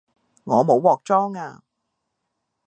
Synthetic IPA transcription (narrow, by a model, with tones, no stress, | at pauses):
ŋɔː˨˧mo˨˥wɔː˨k̚t͡ʃɔː˥ŋaː˧